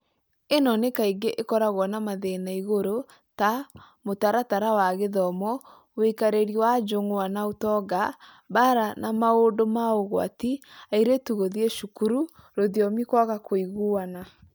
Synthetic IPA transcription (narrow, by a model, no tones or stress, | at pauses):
enɔnekaiŋɡeʔekɔɾaɣwɔnamaðenaiɣoɾo | ta | motaɾataɾawaɣeðɔmɔ | wekaɾeɾiwad͡ʒoŋoanaotɔɡa | baɾanamaodomaoɣwa̰tiaiɾetuɣoðieʃukuɾu | ɾoðjɔmikwaɣakʰoiɣuana